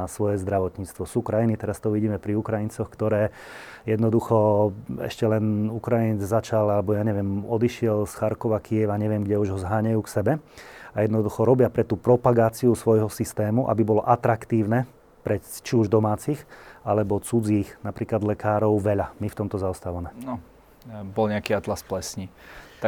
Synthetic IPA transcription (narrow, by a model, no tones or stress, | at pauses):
sʋɔjɛzd̪ɾaʋɔt̪ɲiːt͡st̪ʋɔsuːkɾajinit̪ɛɾast̪ɔʋiɟiːmɛpɾiukɾajint͡sɔxkt̪ɔɾɛː | jɛd̪nɔd̪uxɔɛ̰ʃcɛlɛnukɾajinɛd͡zzat͡ʃalalɛbɔjaːɲɛʋɪɛmɔd̪iʃɪɛlsxaɾkɔʋakʰiɛʋaɲɛʋɪɛmɡɟɛuʒɦɔzɦaːɲajuːksɛbɛajɛd̪nɔd̪uxɔɾɔbɪapɾɛt̪uːpɾɔpaɡaːt͡siusʋɔjɦɔsist̪ɛːmuʔa̰bibɔlɔʔat̪ɾakt̪iːʊnɛ | pɾɛt͡ʃiuʒd̪ɔmaːt͡sixalɛbɔt͡sud͡ziːxnapɾiːklad̪lɛkaːɾɔʊʋɛʎamift̪ɔmt̪ɔzaɔst̪aːʋamɛnɔ | bɔlɲɛakiat̪lasplɛsɲi | t̪a